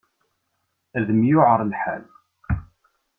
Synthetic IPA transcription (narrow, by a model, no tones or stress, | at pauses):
æðəmjʊʕəɾˤnħæ̰l